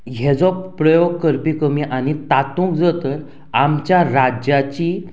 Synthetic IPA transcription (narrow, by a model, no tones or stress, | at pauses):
ɦed͡zɔpɾəjoɡ̚kəɾpikəmiʔañit̪at̪ũk̚d͡zət̪əɾ | amt͡ɕjaɾad͡ʑjat͡ɕiː